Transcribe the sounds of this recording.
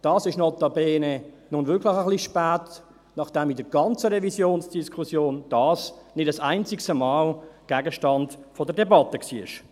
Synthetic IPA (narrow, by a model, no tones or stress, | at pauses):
d̥ɑːsɪʃnɔlt̪ɑbeːne | nʊnvɪkʰlɪχəχliʃpɛːt | nɑχd̥ɛmidəɡɑnt͡səɾɛvisjoːnsd̥iskʰχusjoːnd̥ɑːsnɪdəsaɪnt͡sɪkstəmɑːlɡ̥ɛːɡəʃtɑndfɔdədɛbɑtəksiːɪ̰ʃ